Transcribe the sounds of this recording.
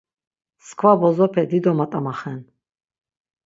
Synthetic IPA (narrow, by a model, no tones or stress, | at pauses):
skʰvabɔzɔpʰɛd̪id̪ɔmat̪ʼamaχɛn